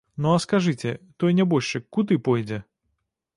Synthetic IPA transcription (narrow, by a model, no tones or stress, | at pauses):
nɔɐskaʐɨt͡sʲɛt̪ɔjnʲɛbɔʃɨkkːut̪ɨpɔjd͡zʲɛ